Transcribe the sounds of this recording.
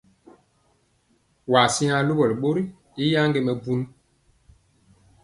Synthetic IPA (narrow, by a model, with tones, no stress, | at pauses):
wa˨si˦a˨lo˦bɔ˨lɓo˦ɾi˦ | i˦ja˦ŋɡe˨mɛ˨bu˦n˦